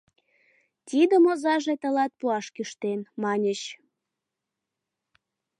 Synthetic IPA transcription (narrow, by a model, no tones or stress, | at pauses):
t̪ʲid̪omozɑʒet̪ə̆lɑt̪̚puɑʃkyʃt̪enmɑnʲəɕ